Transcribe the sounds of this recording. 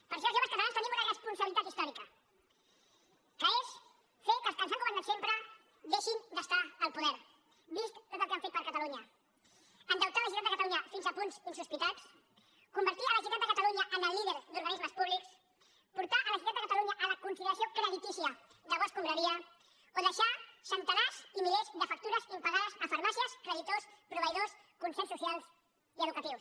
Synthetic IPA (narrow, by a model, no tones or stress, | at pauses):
pəɾʃ̬oəzʒoβəskət̪alaɲnst̪nimunərəspunsəβilit̪at̪ist̪ɔɾikə | kəes | fekəsənsaŋkuβand̪əsempɾə | ðeʃind̪əst̪aəlˠpuðɛɾ | bist̪t̪ot̪əlˠkeaɱfet̪pəɾkət̪aluɲə | ənd̪əwt̪aləʒut̪ad̪əkɐt̪aluɲəfinzəpunzinsuspit̪at͡s | kumbəɾt̪iələʒut̪at̪̚d̪əkət̪aluɲəʔənəlˠːiðəɾd̪uɾɣənizməspuβliks | puɾt̪aʔələʒut̪ad̪d̪əkɐət̪aluɲəʔələkunsiliəsiokɾəðit̪isiə | ðəβɔskumbɾəɾiə | oðəʃasənt̪ənazimiʎezd̪əfɐk̚t̪uɾəzimpəɣaðəzəfəɾmasiəskɾəðit̪ospɾuβəjðos | kunsɛsusialˠz | iəðukət̪iws